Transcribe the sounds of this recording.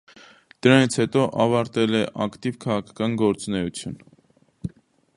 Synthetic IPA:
d̪̥əɾɑnit͡sʰhɛt̪ɔʔɑvɑɾt̪ɛlɛʔɑkt̪ivkʰɑʁɑkʰɑ̥kɑnɡɔɾt͡sunɛut͡sʰjṵn

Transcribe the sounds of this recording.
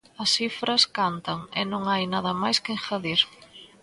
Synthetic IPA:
ɐsifɾɐskant̪ɐŋɛnõŋajnaðɐmajskeŋxaðiɾ

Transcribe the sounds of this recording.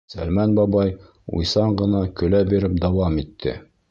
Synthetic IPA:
sæ̰lmænbɑbɑj | ṵjsɑɴɢɤ̆nɑkɵ̆læbiɾɘp̚d̪ɑwɑmit̪ʰːɘ̰

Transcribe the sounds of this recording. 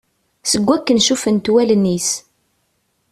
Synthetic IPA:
səɡʷːækːənʃufənt̪wælnːis

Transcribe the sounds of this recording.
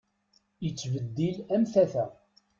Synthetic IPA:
jət͡sːvəd̪ːilæmθæθæ

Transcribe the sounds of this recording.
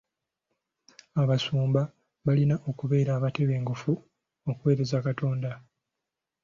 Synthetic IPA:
aβasuːmba | βalinaʔo̞kuβe̞ːɾaːβate̞βe̞ːŋɡofu | okuwe̞ːɾe̞zakato̞ːnda

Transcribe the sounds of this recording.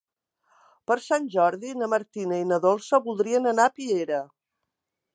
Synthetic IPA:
pəɾsanʲʒɔɾðinəməɾt̪inəinəðolˠsəβulˠd̪ɾiənənapieɾə

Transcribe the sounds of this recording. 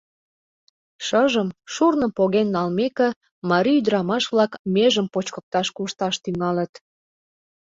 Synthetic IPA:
ʃəʒəmʃurnə̆poɣenːɑlmekĕ | mɑɾiyd̪ɾɑmɑʃβlɑkmeʒəmpot͡ɕkə̆k̚t̪ɑʃkuʃt̪ɑʃt̪yŋɑlət̪

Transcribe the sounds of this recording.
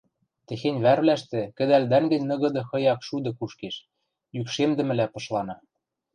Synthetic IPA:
t̪ĕxenʲβærβlæʃt̪ɘ̆kɘ̆d̪æld̪æŋɡɘ̆nʲnɤ̆ɣɤ̆d̪ɤ̆xɤ̆jɑkʃud̪ɤ̆kuʃkeʃ | jykʃemd̪ɘ̆mɘ̆læpɤ̆ʃlɑnɑ

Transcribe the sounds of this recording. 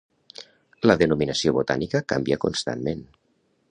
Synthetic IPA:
ləðənuminəsioβot̪a̰nikəkambiəkunst̪a̰nmen

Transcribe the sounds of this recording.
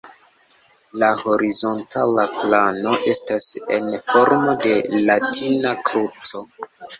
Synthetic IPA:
laho̞ɾizo̞ntʰalaplano̞ʔe̞stasḛnfo̞ɾmo̞de̞latinakɾut͡so̞

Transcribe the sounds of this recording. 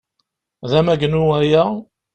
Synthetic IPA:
ðæmæɡənuæjæ

